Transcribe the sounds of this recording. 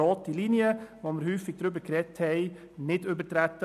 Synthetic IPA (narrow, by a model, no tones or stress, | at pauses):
ɔːtːilinjəʋomɪɾhyːfɪɡ̚d̥ɾʏbəkɾɛthɛɪ | nɪdøbətɾæt̪ːə